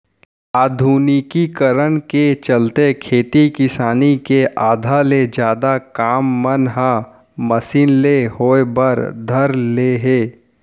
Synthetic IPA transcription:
aːd̪ʱuːnikikəɾənket͡ʃəlt̪ekʰeːt̪ikɪsaːnikeʔaːd̪ʱaled͡ʒjaːd̪akaːmːənɦã | məsiːnleɦoːebəɾd̪ʱəɾleɦeː

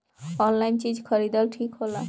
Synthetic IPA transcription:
ɔnlajnt͡ʃid͡ʒkʰəɾid̪ɔlʈʰikɦola̰

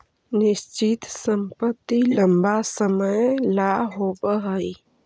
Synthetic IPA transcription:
nɪst͡ʃit̪səmpət̪ːiləmbasəməjlaɦobəɦəj

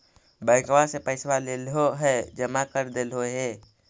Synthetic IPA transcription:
bəɪkwasepəɪswaleːlɦoɦɛd͡ʒəmakəɾd̪elɦoɦɛː

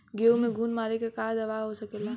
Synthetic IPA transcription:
ɡeumẽɡʱuːnmaːɾekekad̪ɐʋaːɦosɐkeːla

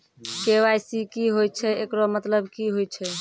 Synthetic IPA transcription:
kewajsikiɦojt͡ʃʰɛekɾomət̪ləbkiɦojt͡ʃʰɛ

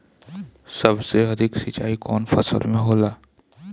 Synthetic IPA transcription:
sɐbseɐd̪ʱɪksɪt͡ʃa̰ːikɔːnfɐ̰sə̰lmẽɦoːlaː

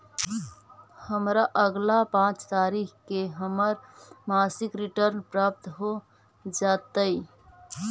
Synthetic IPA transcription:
həmɾaʔəɡlapãːt͡ʃt̪aːɾikkeɦəməɾmaːsɪkɾiʈəɾnpɾaːp̚t̪ɦo | d͡ʒaːt̪əi

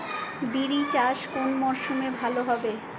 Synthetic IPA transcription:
biɾit͡ɕaʃkonmɔʃumebʱaloɦɔbe

